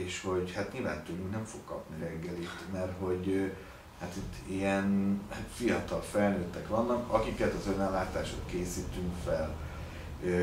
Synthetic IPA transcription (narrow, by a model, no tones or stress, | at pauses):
eːʃho̞ɟhat̪ɲiːlva̰ːnt̪uluŋknɛɱfo̞kːɒpniɾɛɡːɛlit̪mɛrɦo̞ɟø | hat̪it̪ːiɛnfijɒt̪ɒlfɛlnøːt̪ːɛkʋɒnːɒkɒkikɛt̪ɒzønɛlːaːt̪aːʃok̪keːsiːt̪yŋkfɛl | ø